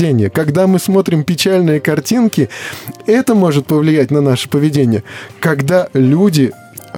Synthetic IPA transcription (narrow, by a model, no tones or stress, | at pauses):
enʲɪjəkɐɡd̪amɨsmo̞t̪ɾʲɪmpʲɪt͡ɕælʲnɨjəkɐrtʲinkʲɪɛt̪əmo̞ʐɨt̪̚pəvlʲɪjætʲnɐnaʂɨ̥pəvʲɪdʲenʲɪjəkɐɡd̪alʲudʲɪ